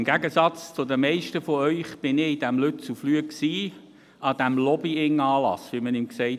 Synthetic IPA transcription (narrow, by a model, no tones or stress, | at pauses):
mɡ̥æɡəsɑt͡st͡sʊd̪əmɛɪʃtəfɔœʏχb̥ɪnɪid̥æmlʏt̚t͡suflyəksiː | ɑd̪̥æmlɔbiɪŋɑːlɑ̰sʋimənɪmksɛɪ